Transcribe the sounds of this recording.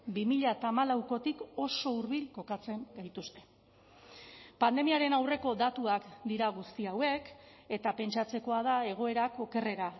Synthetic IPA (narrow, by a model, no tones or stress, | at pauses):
bimiʎat̪amalawko̞t̪iko̞so̞uɾβilko̞kat͡se̞ŋɡajt̪ust̪e̞ | pand̪e̞miaɾe̞nawre̞ko̞d̪at̪uakd̪iɾaɣ̞ust̪iawe̞ke̞t̪ape̞nt͡ʃat͡se̞ko̞aðae̞ɣ̞o̞e̞ɾako̞ke̞re̞ɾa